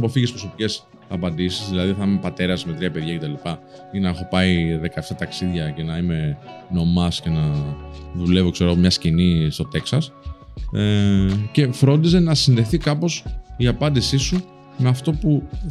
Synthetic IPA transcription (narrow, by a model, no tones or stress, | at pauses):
po̞fiʝispɾo̞so̞pice̞s | ɐpɐnd̪isizðilɐðiθɐimepɐt̪e̞ɾɐsme̞t̪ɾiɐpeðʝɐce̞t̪ɐlipɐ | inɐexo̞pɐiðe̞kɐeft̪ɐt̪ɐksiðʝɐce̞nɐime̞no̞mɐsce̞nɐ | ðule̞vokseɾo̞ɣomɲɐscinist̪o̞t̪e̞ksɐs | ce̞fɾo̞nd̪ise̞nɐsinðe̞θikɐpo̞siɐpɐnd̪isisu | meɐft̪o̞pu